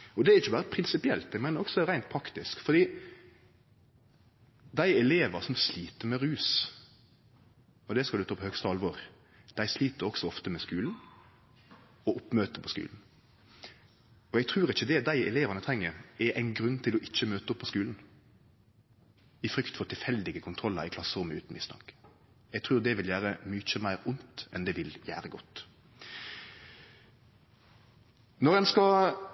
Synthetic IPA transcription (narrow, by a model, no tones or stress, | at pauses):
ɔd̪ɛæɾɪçːəbɑːɾəpʰɾɪnsɪpɪɛlt̪ɛɪɡmæɪnəɾɔksɔd̪ɛɾæɪnt̪̚pʰɾɑkt̪ɪskfɔd̪iː | d̪æɪɛleːʋɑsɔmsliːt̪əɾmɛɾʉːs | ɔd̪ɛskɑd̪ʉt̪ʰɑːpʰɔhœɡst̪əɑlʋɔɾ | d̪̥æɪsliːt̪əɾɔɡsɔɔft̪əmɛskʉːln | ɔʊpːmøːt̪əpʰɔskʉ̰ːln̩ | ɔɛɡ̚t̪ʰʁʉːʁɪçəd̪ɛd̪æɪɛ̰leːʋənət̪ʰʁɛŋːəɾɛʔæɪnɡɾʉnːt̪ʰɪlɔʔɪt͡ʃːəmøːt̪əʊpʰːɔskʉːln̩ | ɪfɾʏkt̪fɔt̪ʰɪlfɛld̪ɪɡəkʰʊnt̪ʰʁɔlːəɾɪkʰlɑsːəmɛːʉ̰ːt̪n̩mɪst̪ʰɑ̰ŋk | ɛɡ̚t̪ʰʁʉːʁd̪ɛʋɪljæːɾəmyːt͡ʃəmæɪɾʊnt̪ɛnd̪ɛʋɪljæ̰ːɾəɡɔt̪ː | nɔʁɛnskɑ